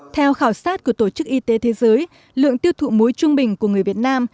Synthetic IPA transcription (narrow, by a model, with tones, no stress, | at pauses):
t̪ʰɛ˧wxaː˧˩wsaː˦˥t̚ku˧˩ət̪o˧˩t͡ɕɨ˦˥k̚ʔi˧t̪e˨˦t̪ʰe˨˦zəː˨˦j | lɨ̰˧˨əŋt̪i˧əwt̪ʰṵ˧˨mu˨˦jt͡ɕʊ˧ŋ͡mɓï˨˩ŋ̟ku˧˩əŋɨ˨˩əjvi˨˩ət̚naː˧m